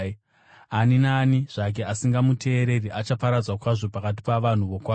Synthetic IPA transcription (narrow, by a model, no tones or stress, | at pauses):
aninaːniʐ̥ak̬e̞asiŋɡamutʰe̞ːɾe̞riʔat͡ʃapaɾad͡zwakwaʐo̞pakat̬i̥paʋan̤uʋo̞kwaː